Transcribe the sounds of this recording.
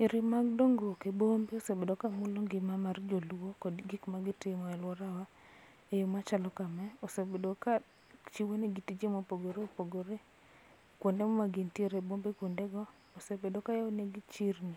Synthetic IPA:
ɪɾɪmaɡdoŋɡokebombeosebedokamʊloŋɡɪmamard͡ʒolokɔdɡɪkmaɡɪtɪmɔɛlwɔɾawa | ejomat͡ʃalɔkamɛosebedoka | t͡ʃiwoneɡitid͡ʒemopoɡoɾeopoɡoɾe | kwondemɔmaɡintjeɾebombekʷondeɡɔː | sebedokajawoneɡit͡ʃirni

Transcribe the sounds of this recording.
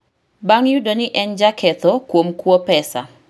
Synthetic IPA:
baŋjudonɪʔɛnd͡ʒakʰɛt̪ɔkwomkwopɛsa̰

